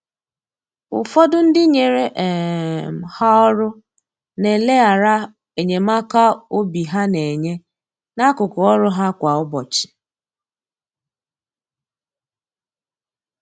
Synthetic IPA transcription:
ʊ̰˨fɔ˦dʊ˦n̩˦dɪ˦ɲe˨ɾe˨ʔm̩˨ha˦ɔ˦ɾʊ˦ | ne˨le˦a˨ɾa˦ | e˨ɲe˨ma˦ka˦o˦bi˨ɦa˦ne˨ɲe˦ | na˦kʊ˨kʊ˨ɔ˦ɾʊ˦ɦa˦kʷa˨ɔ˦bɔ̰˨t͡ʃɪ̥˨

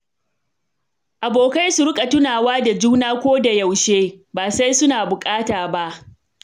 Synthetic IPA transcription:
ʔa˨boː˨ka˦jsu˨ɾʊ˦kʼa˨tʊ˦naː˨waː˦da˨d͡ʒuː˦naː˦kʷoː˦da˨ja˨wʃeː˦baː˨sa˦jsʊ˦naː˨bʊ˨kʼaː˦taː˨ba˦ʔ

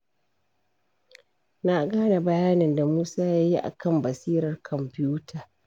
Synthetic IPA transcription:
na˦ɡaː˦na˨bɐ˨jaː˦nɪ˨nda˨muː˦saː˦jaː˦ji˦ʔa̰˨kɐ˦˨mbɐ˨siː˦ɾɐ˨rkʰɔ˨mpɪ˦juː˦taː˨

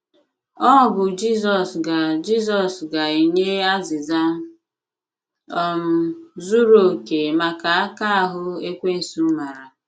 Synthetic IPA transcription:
ɔ˦˨bʊ˨d͡ʒi˦zɔ˨sɡa˨d͡ʒi˦z̬ɔ˨sɡa˨i˨ɲe˦a˦zɪ˨za˦m̩˦ | ɔ˦m̩˦zu˦ɾo˦˨ke˨ma˨ka˨a˦ka˦a˦ɦʊ˦e˦kʷe˦n̩˨su˦m̩˦ma˨ɾa˨

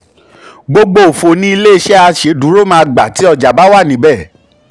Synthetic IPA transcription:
ɡ͡bo˦ɡ͡bo˦˨o˨fo˧nĩ˦i˧le˦i˧ʃɛ˦a˧ʃe˨˦dũ˨˦ɾo˦˨mãː˧ɡ͡ba˨ti˨˦ɔ˧d͡ʒa˨ba˨˦wa˦˨nĩ˨˦bɛ˦˨

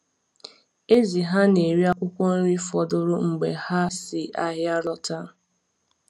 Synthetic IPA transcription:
e˦zi˨ɦa˦ne˨ɾi˦a˦kʷʊ˦kʷɔ˦n̩˦ɾi˦fɔ˨dʊ˦ɾʊ˦ŋ͡m̩˨ɡ͡be˨ha˦sɪ˨ʔa˦ɦja˦ɾɔ˦ta˦

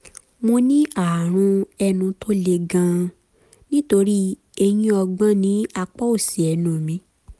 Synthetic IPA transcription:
mo˧nĩ˦a˨ɾ̃ũ˧ɛ˧nũ˧˦tʰo˦le˧ɡã˧ | nĩ˦to˧ɾi˦ | e˧j̃ĩ˦ɔ˧ɡ͡bã˦nĩ˨˦a˧k͡pɔ˦o˦˨si˨ɛ˨nũ˨mĩ˨˦

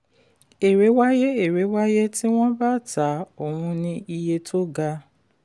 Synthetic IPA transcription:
e˨ɾe˨˦wa˦je˦e˨ɾe˨˦wa˦je˦ti˦w̃ɔ̃˦ba˦˨ta˨˦o˨hũ˧nĩ˧i˧je˧tʰo˦ɡa˧

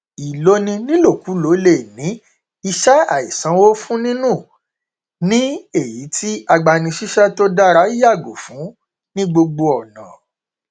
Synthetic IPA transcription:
i˨lo˦nĩ˧nĩ˦lo˦˨ku˨˦lo˨˦le˦˨nĩ˨˦ | i˧ʃɛ˦a̰˨i˨sã˨˦wo˦fũ˦nĩ˦nũ˦˨ | nĩ˦e˦˨ji˨˦tʰi˦a˧ɡ͡ba˧nĩ˧ʃi˦ʃɛ˦to˦da˦ɾa˦i˦ja˦˨ɡo̰˨fũ˨˦ | nĩ˦ɡ͡bo˧ɡ͡bo˧ɔ˨nã̰˨

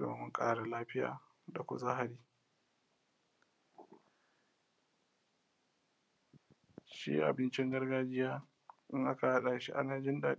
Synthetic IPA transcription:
do̰ː˨mʊ˦ŋkʼa̰ː˦ɽa˨laː˦ɸɪ˦ja̰ː˨ | da˨kʷʊ̰˦za˦ɦa˨ɾiː˦ | ʃḭ˦ʔa̰˨bɪ˦nt͡ʃɪ˦ŋɡɐ˦rɡaː˦d͡ʒɪ˦jaː˦ | ʔɪ˦ŋʔa˦ka˨ha˦ɗaː˨ʃi˦ʔa̰˦naː˨d͡ʒɪ˦ndaː˨

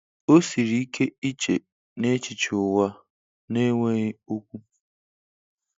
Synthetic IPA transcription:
o˦si˨ɾi˨˦i˦kʰe˦i˦t͡ʃe˨ | ne˦t͡ʃi˨t͡ʃʊ˨wa˦ | ne˦ŋʷe˦ɣɪ˦o˦kʷu˦

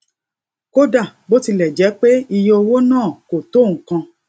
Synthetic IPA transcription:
ko˦da˦˨bo˦ti˧lɛ˨d͡ʒɛ˨˦k͡pe˦i˧jɔ˦˧wo˦nãː˦˨ko˨to˦˨ŋ̩̃˨kã˧

